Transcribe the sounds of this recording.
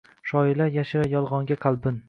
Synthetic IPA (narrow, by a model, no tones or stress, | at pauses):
ʃɒjɪlajaʃɪɾajɒlˠʁɒŋɡʲaqʰɑlˠbɪn